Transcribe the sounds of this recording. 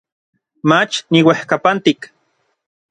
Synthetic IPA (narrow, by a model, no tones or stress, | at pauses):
mat͡ʃniwehkapant̪ik